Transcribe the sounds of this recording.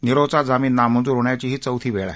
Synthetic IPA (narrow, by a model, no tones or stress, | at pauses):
niɾot͡sad͡zamiːnːam̤ənd͡zuːɾɦoɳjat͡ɕiːɦiːt͡səwt̪ʰiːʋeɭa̰